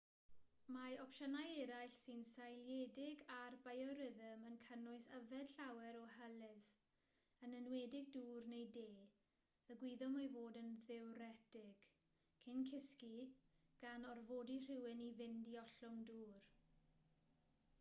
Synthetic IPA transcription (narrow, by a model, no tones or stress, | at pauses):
maɔpʃɔnajɛɾajɬsɪnsajljɛdɪɡarbajɔɾɪðəmənkʰənʊɨsəvɛd̥ɬawɛɾɔɦɛlɪv | ənənwɛdɪɡ̚duːrnejdeː | əɡwiðɔmavoːdənðɛwɾɛdɪɡ̥ | kʰɪnkʰɪskiɡ̥anɔrvoːdir̥ɪwɪnivɪndiɔɬʊŋduːr